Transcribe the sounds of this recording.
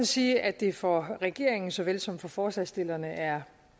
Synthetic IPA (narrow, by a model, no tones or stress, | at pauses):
nsiːʔæd̥e̝fɒʁɛɡ̥e̝̰ɐ̰eŋn̩sɒ̽ʋelsɒ̽m̰̥fɒ̽fɒːsɛsd̥e̝lɐnəʔæɐ